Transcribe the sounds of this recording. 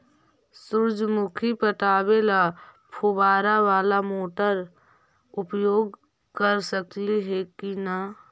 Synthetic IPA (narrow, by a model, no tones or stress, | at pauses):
sʊɾd͡ʒmʊkʰipət̪aːbelapʰubaːɾaʋaːlamoːʈəɾ | ʊpjoːɡ | kəɾsəkliɦekina